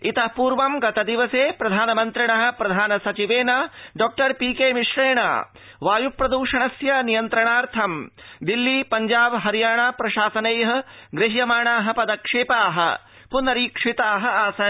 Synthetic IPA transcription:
it̪ɐɦpuːɾʋɐmɡɐt̪ɐd̪iʋɐseːpɾɐd̪ʱaːnɐmɐnt̪ɾɐɳɐɦɐ̆pɾɐd̪ʱaːnɐsɐt͡ʃiʋeːnaːɖɔːk̚ʈɐɾpiːkeːmiʂɾeːɳa̰ː | ʋaːjupɾɐd̪uːʂɐɳɐsjɐnijɐnt̪ɾɐɳaːɾt̪ʰɐm | d̪ilːipɐɲd͡ʒaːbɦɐɾjaːɳaːpɾɐʃaːsɐnɐjɦɐ̆ɡɾɪɦjɐmaːɳaːɦɐ̆pɐd̪ɐkʂeːpaːɦɐ̆ | punɐɾiːkʂit̪aːɦɐ̆aːsɐ

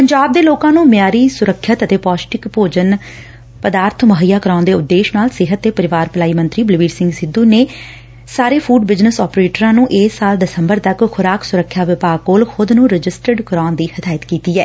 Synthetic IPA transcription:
pəɲd͡ʒaːb̚d̪eːloːkãːnũːmɪjaːɾiːsʊɾəkʰːjət̪ət̪eːpɔːsʈɪkpoːd͡ʒən | pəd̪aːɾt̪ʰməɦəjaːkəɾaːnd̪eːʊd̪ːeːʃnaːlsɪɦət̪ːeːpəɾɪʋaːɾpəlaːiːmə̃nt̪ɾiːblʋiːɖsɪ̃ŋɡsɪd̪uːneː | saːɾeːpʰuːɖbɪd͡ʒnəsɔːpɾeːʈəɾãːnũːʔeːsaːld̪ɪsəmbəɾt̪əkxʰʊɾaːksʊɾəkʰjaːʋɪpaːkːoːlxʊd̪nũːɾəd͡ʒɪsʈəɖkəɾãːnd̪iːhəd̪aːɪət̪kiːt̪iːɛː

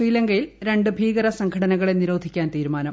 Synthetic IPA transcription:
fiːlɐŋɡɐjilɾe̞ɳɖɨbʱiːɣɐɾɐsɐŋɡʰʱɐɽɐnɐɣɐɭeniɾo̞ːd̪ʱikʲːaːnt̪iːɾumaːnɐm

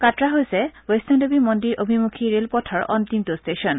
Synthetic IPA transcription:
katɹaɦojsɛwɔjstɔndobimɔndiɹʔobʱimukʰiɹelpɔtʰɔɹɔ̰ntimtostesɔn

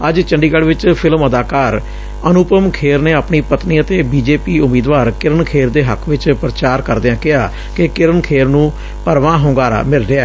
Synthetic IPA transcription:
əd͡ʒt͡ʃəɳɖiːɡəɽʋɪt͡ʃpʰɪlməd̪aːkaːɾ | ənʊpəmkʰeːɾneːaːpɳiːpət̪niːət̪eːbiːd͡ʒeːpiːʊmiːd̪ʋaːɾkɪɾənkʰeːɾd̪eːɦəkʰʋɪt͡ʃpɾət͡ʃaːɾkəɾd̪eːãːkɪɦaː | kɪkɪɾənkʰeːɾnũː | pəɾʋãːɦʊ̃ːɡaːɾa̰ːmɪlɾeɛː

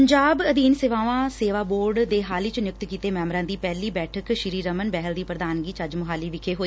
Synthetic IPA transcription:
əɲd͡ʒaːbəd̪iːnseːʋaːʋãːseːʋaːboːɾɖd̪eːɦaːliːt͡ʃnjʊk̚t̪kiːt̪eːmɛːmɾãːd̪iːpɛːliːbɛːʈʰəkʃɪɾiːɾəmənbɛːɦəld̪iːpɾəd̪aːnɡiːt͡ʃəd͡ʒmʊɦaːliːʋɪkʰeːɦoːi

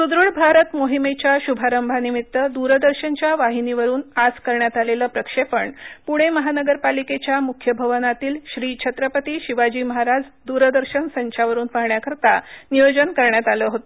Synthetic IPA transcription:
sud̪ɾuɭbʱaɾət̪moɦimet͡ɕjaɕubʱaɾəmbʱanimit̪ːəd̪uɾəd̪əɾɕənt͡ɕjaʋaɦiniʋəɾuːnad͡zkəɾɳjat̪aleləːpɾəkʂepəɳpuɽ̤̃eməɦanəɡəɾpaliket͡ɕjamukʰjəbʱəʋənat̪iːlɕɾiːt͡ɕʰət̪ɾəpət̪iːɕiʋad͡ʑiːməɦaɾad͡zd̪uɾəd̪əɾɕənsəɲt͡ɕʰaʋəɾuːnpaɾɳjakəɾt̪aniʋed͡ʑənkəɾɳjat̪aləɦot̪o

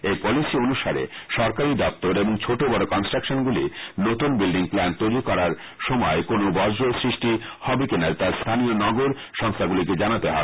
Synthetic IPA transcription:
epɔlisionuʃaɾḛʃɔɾkaɾid̪ɔp̚t̪oɾeboŋt͡ɕʰoʈobɔɾokɔnsʈɾakʃonɡulḭnot̪unbilɖiŋplant̪ojɾikɔɾaɾ | ʃɔmɔekonobɔd͡ʑɾosɾiʃʈihɔbekenaɾt̪aɾst̪ʰanionɔɡoɾ | ʃɔŋst̪ʰaɡuliked͡ʑanat̪eɦɔ̰

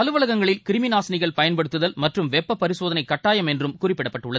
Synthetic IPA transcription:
ɐlɯʋɐɭɐɣɐŋɡɐɭɪlkɪɾɪmɪnaːsnɪɣɐɭpɐjɐnpɐɽɯt̪ːɯðɐlmɐʈrɯmʋɛpːɐpːɐɾɪsoːðɐnɐɪkːɐʈːaːjɐmɛndrɯmkʊrɪpːɪɽɐpːɐʈːɯɭːɐð

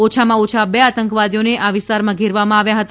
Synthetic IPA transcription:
ot͡ʃʰamãot͡ʃʰabeat̪əŋkʋad̪joneʔaʋɪst̪aɾmãɡʱiɾʋamãaʋjaɦət̪a

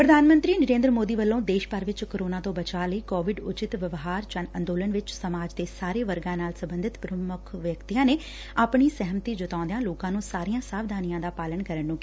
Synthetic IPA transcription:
pɾəd̪ʱaːnmə̃nt̪ɾiːnəɾeːnd̪əɾmoːd̪iːʋəlːõːd̪eːʃpəɾʋɪt͡ʃkoɾoːnãːt̪õːbət͡ʃaːləiːkoːʋɪɖʊt͡ʃɪt̪ʋəʋɦaːɾt͡ʃənənd̪oːlənʋɪt͡ʃsəmaːd͡ʒd̪eːsaːɾeːʋəɾɡãːnaːlsəmbənd̪ɪt̪bɾəmʊkʰʋjəkt̪ijãːneː | aːpɳiːsɛɦmət̪iːd͡ʒʊt̪ãːnd̪jãːloːkãːnũːsaːɾijãːsaːʋd̪ʱaːnɪjãːd̪aːpaːləɳkəɾəɳːũː

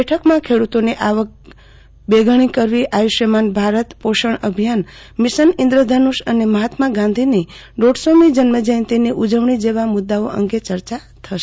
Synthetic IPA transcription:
ɛʈʰəkmãkʰeɽut̪oneʔaʋək̚ | beɡəɳ̃ikəɾʋiʔajuʃjəmanbʱaɾət̪poʃəɳəbʱijan | mɪʃənɪ̃nd̪ɾəd̪ʱənuʃəneməɦat̪maɡãnd̪ʱini | ɖoɽsomid͡ʒənməd͡ʒəə̃nt̪iniʔud͡ʒəʋɳid͡ʒeʋamʊd̪ːaoʔə̰̃ŋɡet͡ʃəɾt͡ʃa | t̪ʰəʃe̥

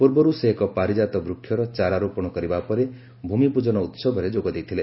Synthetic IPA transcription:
puɾbɔɾuseekɔpaɾid͡ʒat̪ɔbɾukʰːjɔɾɔt͡ʃaɾaɾupɔɽ̃ɔkɔɾibapɔɾe | bʱumipud͡ʒɔnɔut̪sɔbʱɔɾed͡ʒoɡɔd̪ejt̪ʰile

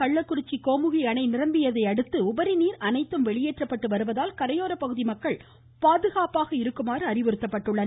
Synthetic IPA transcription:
ɐɭːɐkːʊɾɪt͡ʃːikoːmɯɣiɐnɐɪnɪɾɐmbɪjɐðɐɪɐɽɯt̪ːɯʊbɐɾiɪniːɾɐnɐɪt̪ːɯmʋɛɭɪjeːʈrɐpːɐʈːɯʋɐɾɯʋɐðaːlkɐɾɐjoːɾɐpɐɣɯðimɐkːɐɭ | paːðɯɣaːpaːɣɐɪɾɯkːɯmaːɾɯɐrɪʋɯɾɯt̪ːɐpːɐʈːɯɭːɐn

